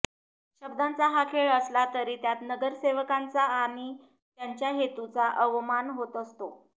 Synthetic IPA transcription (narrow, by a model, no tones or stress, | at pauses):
ɕəb̚d̪ant͡saɦakʰeɭəslat̪əɾiːt̪jat̪nəɡəɾseʋəkant͡saːɽ̃i | t̪jaɲt͡ɕjaɦet̪ut͡saʔəʋmanɦot̪əst̪o